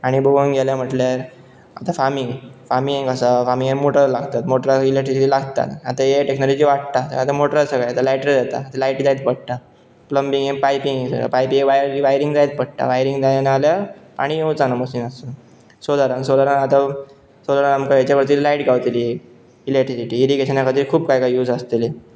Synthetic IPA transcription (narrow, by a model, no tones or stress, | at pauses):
aɽ̃iboɡunɡʱeljam̤əʈlaɾ | a̰t̪afamiŋɡfamĩẽŋɡasafamiŋẽmoʈəɾlaɡt̪at̪moʈɾaileʈɾikɾilaɡt̪a̰t̪at̪ajeʈeknolod͡ʑiːʋaɽt̪at̪ə̰at̪amoʈəɾasəɡajat̪alajʈɾed͡zat̪a̰at̪alaiʈd͡zait̪̚pəɽt̪a | pləmbĩŋɡẽŋpajpiŋɡsə̰a̰pajpiɡʋajɾiʋajɾiŋɡd͡zajit̪̚pəɽt̪a̰ʋajɾiŋɡd͡zajenaljapa̰ɽ̃ijẽwt͡sanaməɕiːnəst̪ə | sod̪aɾansolaɾanat̪a | solaɾanamkəjet͡ɕapəɾt̪iːllaiʈɡawt̪ili | ilek̚ʈɾisiʈiːɾiɡeɕənakʰəd̪iːɾkʰuːpkajkajjuːd͡zast̪ele